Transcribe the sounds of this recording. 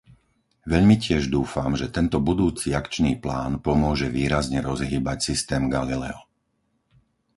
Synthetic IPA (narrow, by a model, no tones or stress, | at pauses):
ʋɛʎmicɪɛʒd̪uːfamʒɛt̪ɛnt̪ɔbud̪uːt͡siakt͡ʃniːplaːnpɔmʊɔʒɛʋiːɾazɲɛɾɔzɦiːbacsist̪ɛːmɡalilɛ̰ɔ